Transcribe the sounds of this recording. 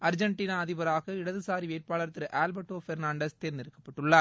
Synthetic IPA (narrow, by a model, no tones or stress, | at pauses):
ɐɾd͡ʒɐɳʈiːnaːɐðɪbɐɾaːɣɐɪɽɐðɯsaːɾiʋeːɾpaːɭɐɾɐt̪ːɪɾʔaːlbɐʈːoːfɛɾnaːɳɖɐst̪eːɾɪnd̪ɪɾɯkːɐpːɐʈːɯɭːaɾ